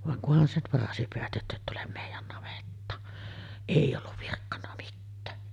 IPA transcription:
ʋɑŋ kuhɑn seʋ ʋɑrɑsi peæt jotːet tulem meˑijæn nɑʋetːɑːn ʔeij olːuʋ ʋirkːɑnːɑ mitːæː

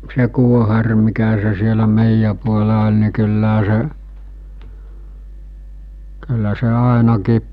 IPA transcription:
se kuohɑr mikæ se sielæ meˑijːæ puolɑ olʲ niˑ kylːæɦæ se kylːæ se ɑˑenɑkiːp

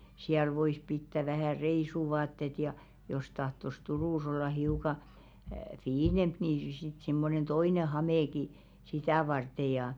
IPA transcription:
siæl ʋois pitːæ ʋæhæˑ reisuʋɑːtːet jɑ jos tɑhtos turuˑs olːɑ hiukɑ fiːnemp ni si sit simːonen toine hɑmeˑki sitæˑ ʋɑrtej̆ jɑˑ

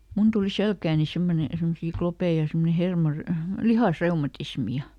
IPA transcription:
mun tuli selkæːni semːone semːosiː klopeː jɑ semːone hermor lihɑsreumɑtismi jɑ

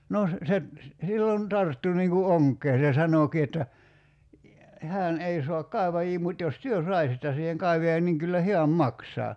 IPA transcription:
no se silːon tɑrtːu niːŋ ku oŋkˑeː se sɑnoˑki etːæ hæːn ei soɑk kɑˑeʋɑiː mut jos tyø sɑisitːɑ siːheŋ kɑiʋɑjɑn niŋ kylːæ heæm mɑksɑː

